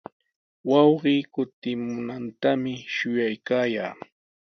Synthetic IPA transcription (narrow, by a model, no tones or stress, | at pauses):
wɑwɢiːkʊt̪ɪmʊnant̪amɪʃʊjajkaːjaː